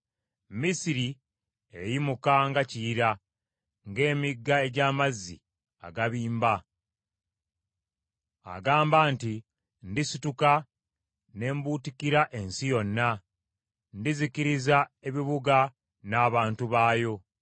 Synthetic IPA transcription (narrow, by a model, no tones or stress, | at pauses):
misiɾi | ejimukaŋɡaciɾa | ŋɡe̞ːmiɡːae̞ɟaːmazːḭ | a̰ɡaβiːmba | a̰ɡaːmbaːnti | ndisituka | ne̞ːmbuːtikiɾaʔe̞nsijo̞nːa | ndizikiɾizae̞βiβuɡa | naːβaːntuβaːjo̞